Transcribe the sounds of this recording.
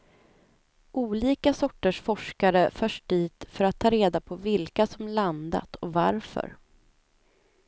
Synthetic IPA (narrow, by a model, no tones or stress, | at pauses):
ʔuːliːkasɔʈːəʂfɔʂkaɾəfœʂʈ̚d̪iːt̪fœɾat̪ʰːɑːɾeːd̪apʰɔvɪlkasɔmland̪a̰t̪ʰɔva̰ɾfœ̰ɾ